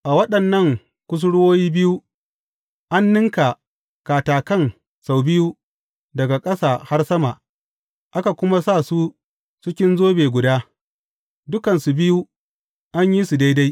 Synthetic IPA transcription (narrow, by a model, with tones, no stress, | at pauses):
ʔa˨wɐ˦ɗɐ˨nːɐ˦˨ŋ | kʷʊ˦s̬ʊ˦ɽwoː˦jiː˦bɪ˦ju˦ | ʔa˦nːɪ˦ŋka˨ | kaː˨taː˨kɐ˦ŋ | sa˨wbɪ˦ju˦ | dɐ˨ɡa˨kʼɐ˦saː˨ha˦rsɐ˦ma˨ | ʔa˦ka˨kʷʊ˦ma˦sa˦˨su˦ | sʊ˦kʲɪ˦nzoː˦beː˨ɡʷʊ˨daː˦ | dʊ˦kɐ˨nsu˨bɪ˦ju˦ | ʔa˦ɲji˦su˨da˦jda˦j